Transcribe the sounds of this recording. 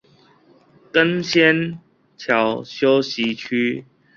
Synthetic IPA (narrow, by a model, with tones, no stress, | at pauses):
kə˦nɕjɛ˦n | t͡ɕʰjɑ˨˦ʊɕjo˦ʊɕi˨˦t͡ɕʰy˦